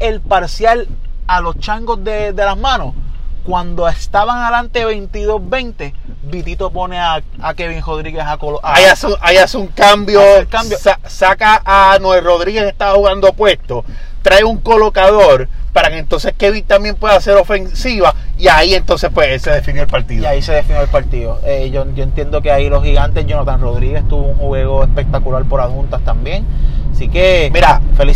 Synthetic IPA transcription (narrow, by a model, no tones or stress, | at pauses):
e̞lpaɾsjalalo̞st͡ʃaŋɡo̞zðed̪e̞laɦmãno̞skwand̪o̞est̪aβaŋalant̪e̞βe̞jnt̪iðo̞zbe̞nt̪e̞ | bit̪it̪o̞po̞ne̞a | akeβiŋro̞ðɾiɣe̞sakoloʔaaasajasuŋkambjokambjosa | sakaʔːnwero̞ð̞ɾiɣe̞se̞ht̪aβahuɣand̪opwe̞st̪o̞ | t̪ɾaeuŋko̞lo̞kaðo̞ɾpaɾake̞ːnt̪o̞nse̞skeβit̪ambjempwe̞ðase̞ɾo̞fe̞nsiβaiaie̞nt̪o̞nsepwesse̞ðefinjoelpaɾt̪iðaiseðefinjoelpaɾt̪iðoeʝod͡ʒoent̪je̞nd̪o̞keajlo̞shiɣant̪e̞sd͡ʒonot̪anro̞ðɾiɣe̞st̪uβouŋhwe̞ɣo̞espe̞k̚t̪akulaɾpo̞ɾashunt̪ast̪ambje̞ŋasikemiɾafeli